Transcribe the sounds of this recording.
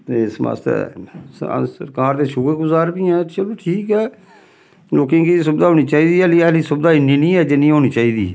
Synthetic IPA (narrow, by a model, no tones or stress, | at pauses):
t̪eɪsma̰st̪ɛ̰ːssə̰ɾkaːɾd̪eːʃʊɡeɡʊzaːɾbiːɛ̃ːt͡ʃəloːʈʰiːkɛː | loːkɪ̃ːŋkiːisʊbd̪aːɦoːñiːt͡ʃaːiːd̪iːɛliːɛliːsʊbd̪aːɪnːiːnĩːɛːd͡ʒenĩːɦoːñiːt͡ʃaːiːd̪ḭː